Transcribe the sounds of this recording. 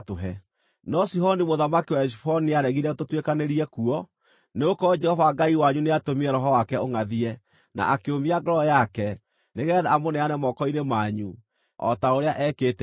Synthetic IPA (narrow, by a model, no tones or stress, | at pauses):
toɦɛ | nɔsiɦɔnimoðamakiwaɛʃifɔniaɾɛɣiɾɛtotwekaneɾiɛkuɔ | neokɔd͡ʒɛhɔvaɡaiwaɲuneatomiɛɾɔɦɔwakɛoŋaðiɛ | na̰ʔakeomiaɡɔɾɔjakɛ | neɣɛðɛamonɛanɛmɔkɔinemaːɲu | ɔ̰taoɾeaʔɛkeːtɛ